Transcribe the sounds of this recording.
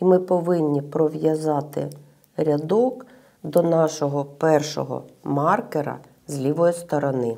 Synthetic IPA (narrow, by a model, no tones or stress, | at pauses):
imɪpɔʋɪnʲːipɾɔʋʲjɐzɑt̪ɪ̰ | ɾʲɐd̪ɔk | d̪ɔnɑʃɔɦɔpɛrʃɔ̰ɦɔ̰mɑrkeɾɐ̰ | zʲlʲiʋɔjist̪ɔɾɔnɪ